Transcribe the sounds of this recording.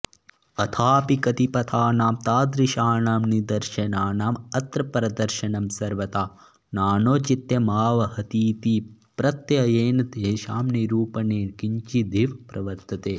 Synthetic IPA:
ɐt̪ʰaːpikɐt̪ipɐt̪ʰaːnaːmt̪aːd̪ɾɪʃaːnaːmnid̪ɐɾʃɐnaːnaːmɐt̪ɾɐpɾɐd̪ɐɾʃɐnɐmsɐɾʋɐt̪aː | naːnoːt͡ʃit̪jɐmaːʋɐhɐt̪iːt̪iːpɾɐt̪jɐjeːnɐd̪eːʃaːmniɾuːpɐneːkiɲt͡ʃid̪ʱiʋpɾɐʋɐɾt̪ʰɐt̪eː

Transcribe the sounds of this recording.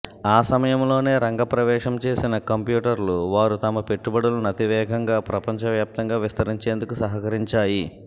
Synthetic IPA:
aːsɐmɐjɐmlo̞ːne̞ːɾɐŋɡɐpɾɐʋɛːʂɐmt͡ʃe̞ːsinɐkɐmpjuːʈɐɾluʋaːɾut̪ɐmɐpe̞ʈːubɐɽulunɐt̪iʋɛːɡʱɐŋɡaːpɾɐpɐɲt͡ʃɐʋjaːp̚t̪ɐŋɡaːʋist̪ɐɾiɲt͡ʃeːnd̪ukusɐɦɐkɐɾiɲt͡ʃaːji

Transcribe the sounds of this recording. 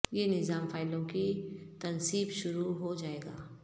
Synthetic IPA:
jenɪzaːmfaːɪlõkit̪ɐnsiːbʃʊɾuɦod͡ʒaːeːɡa̰ː

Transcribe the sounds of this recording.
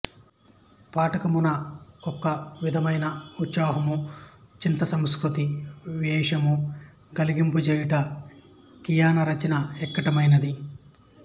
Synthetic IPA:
paːʈɐkɐmunɐkɔkːɐʋid̪ʱɐmɐjnɐut̪saːɦɐmut͡ʃint̪ɐsɐmskɾut̪iʋɛːʂɐmu | ɡɐliɡimput͡ʃɛːjiʈɐ | kijaːnɐɾɐt͡ʃɐnɐɛkːɐʈɐmɐjnɐd̪i

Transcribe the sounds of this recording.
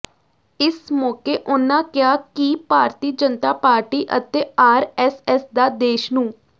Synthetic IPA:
ɪsmɔːkeːʔʊnːãːkɪjaːkiːpaːɾt̪iːd͡ʒənt̪aːpaːɾʈiːʔə̰t̪eːaːɾɛːsɛːsd̪aːd̪eːʃnũː

